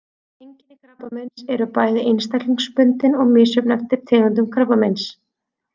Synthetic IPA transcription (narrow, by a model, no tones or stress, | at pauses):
ejɲcɪnɪkʰɾapːamɛnsɛɾʏpaːjðɪʔejnst̪aliŋspʏnt̪ɪnɔɣmɪːsʏpnɛft̪ɪ̥t̪ʰɛːɣant̪̬ʏmkʰɾapamɛns